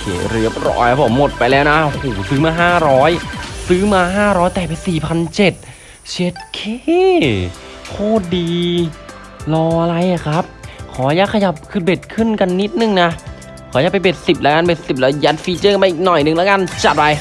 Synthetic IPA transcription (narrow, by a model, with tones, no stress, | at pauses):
kʰḛː˨˩˦ɾɯ˦˥ə˩p̚ɾɔ̰ː˧˩jka˦˥pʰo˩˦mːo˨˩t̪̚pa˧jlɛː˦˥wna˦˥ʔʔhoː˨˩sɯː˦˥maː˧ɦaː˥˩ɾɔː˦˥jsɯː˦˥maː˧ɦaː˥˩ɾɔː˦˥jt̪ɛː˨˩pa˧nsiː˨˩pʰa˧nt͡ɕe˨˩t̪̚ | t͡ɕʰeː˨˦˥t̪̚kʰeː˥˩˥ | kʰoː˥˩diː˧ | lɔː˧ʔa˧ɾa˧jːa˨˩kʰɾa˦˥p̚kʰɔː˩˦jaː˧˩kʰa˧ja˧˩p̚kʰɯ˨˩t̪̚be˨˩t̪̚kʰɯ˥˩nka˧nːi˦˥t̪̚nɯ˨˩ŋna˦˥ | kʰɔː˩˦ja˧˩pa˧jbe˨˩t̪̚si˨˩p̚lɛ˧˦˥kaː˧nbe˨˩t̪̚si˨˩p̚lɛː˦˥ja˦˥t̪̚fiː˧˥t͡ɕɤː˥˩knpaː˧˨ʔiː˨˩nɔ˨˩jnɯ˨˧˨ŋlɛː˦˥kaː˧˨nt͡ɕa˨˩t̪̚pa˧j